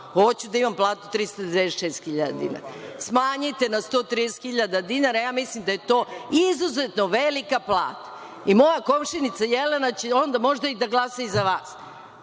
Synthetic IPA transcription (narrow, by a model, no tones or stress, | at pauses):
xo̞t͡ɕud̪aimamplˠaːt̪ut̪ɾist̪ad̪d̪ʋeeʃeːst̪xiʎad̪ad̪ḭna̰ɾasmaːɲit̪e̞nast̪o̞ːt̪ɾid̪esxiʎad̪ad̪inaɾajaːmislimd̪aje̞t̪o̞ːizuzet̪no̞ʋelikaplˠa̰ːt̪ḁ | imo̞jako̞mʃinit̪sajelenat͡ɕeo̞nd̪amo̞ʒd̪aid̪aɡlˠasaizaʋaːs